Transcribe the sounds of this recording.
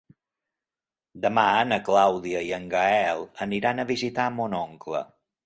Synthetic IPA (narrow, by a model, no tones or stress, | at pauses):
d̪əmanəklawðiəiəŋɡəɛlˠəniɾanəβizit̪amonɔŋklə̰